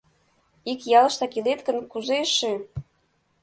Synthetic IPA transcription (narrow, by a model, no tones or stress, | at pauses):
ikjɑlɤ̆ʃt̪ɑkilet̪kə̆nkuzeʃe